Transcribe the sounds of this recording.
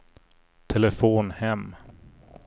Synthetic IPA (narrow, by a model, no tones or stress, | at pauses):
t̪ʰɛlɛfoːnhɛm